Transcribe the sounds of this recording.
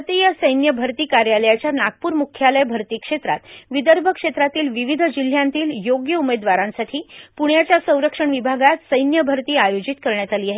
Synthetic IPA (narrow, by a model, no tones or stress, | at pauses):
t̪ijəsəjnjəbʱəɾt̪iːkaɾjaləjat͡ɕjanaɡ̚puːɾmukʰːjaləjbʱəɾt̪iːkʂet̪ɾa̰t̪ʋid̪əɾbʱəkʂet̪ɾat̪iːlʋiʋid̪ʱd͡ʑil̤ːjãnt̪iːljoɡjəumed̪ʋaɾãnsaʈʰiːpuɳjat͡ɕjasə̃w̃ɾəkʂəɳʋibʱaɡat̪səjnjəbʱəɾt̪iːajod͡ʑit̪̚kəɾɳjat̪aliːaɦe